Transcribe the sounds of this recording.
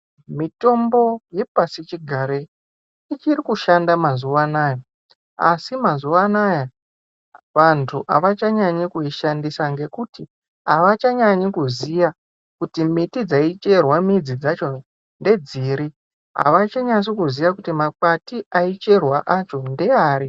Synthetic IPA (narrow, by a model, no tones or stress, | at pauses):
mito̞mbo̞je̞pasit͡ʃiɡʱaɾe | it͡ʃirikuʃandamazuʋanaːjo̞ | a̰simazuʋanaja | ʋantʰuʔaʋat͡ʃaɲaɲikuiʃandisaŋɡe̞kuti | ɦaʋat͡ʃaɲaɲikuzija | kutimitid͡zait͡ʃe̞rwamid͡zid͡zat͡ʃo̞ | nde̞d͡ziːɾi | ɦa̰ʋat͡ʃaɲas̬okuzijakutimak͡patiʔait͡ʃe̞rwaʔat͡ʃo̞nde̞aːɾi